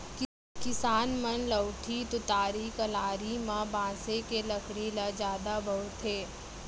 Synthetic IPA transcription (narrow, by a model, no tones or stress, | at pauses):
kɪsaːnmənləwʈʰit̪ʊt̪aːɾikɐlaːɾimãbãːsekeləkɽilad͡ʒjaːd̪abəɦʊt̪ʰɦeː